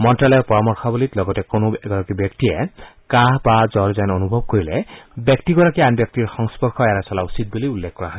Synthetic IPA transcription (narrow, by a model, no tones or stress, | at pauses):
mɔntɹalɔpɔɹamɔɹxʰɔbulitlɔɡɔtɛkonoɛɡɔɹakibjɔk̚tijɛkaɦbazɔɹzanonubʱɔb̚koɹilɛbjɔktiɡɔɹakianbjɔk̚tiɹxɔŋspɔɹkʰɔɛɹasɔlausit̚buliulːekʰkɔɹaɦɔɛ